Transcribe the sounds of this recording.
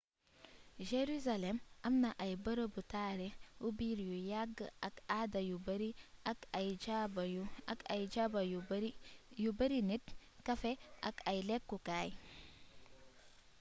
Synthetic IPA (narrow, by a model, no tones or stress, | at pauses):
d͡ʒeɾuzalemɐmnaʔajbɐɾobutaːɾeubiɾjujaɡakadajubɐɾiakajd͡ʒabajuakajd͡ʒabauɾijubɐɾinitkɐfeʔakajlekːukaj